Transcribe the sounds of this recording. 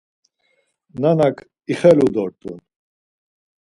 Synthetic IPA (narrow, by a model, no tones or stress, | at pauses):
nanakʰ | iχɛlud̪ɔɾt̪ʼun